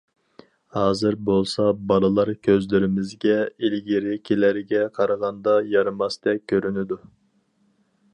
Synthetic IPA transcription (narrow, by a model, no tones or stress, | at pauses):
hɑːzɪɾbolˠsɑbɑlˠɨlˠɑɾkʲʰøzlyɾɪmɪzɡʲɛilɡʲeɾɪkʲʰelæɾɪɡʲɛqʰɑɾɑʁɑnd̪ɑjɑɾɨmɑsd̪̥ɛp̚kʲʰøɾynɪd̪u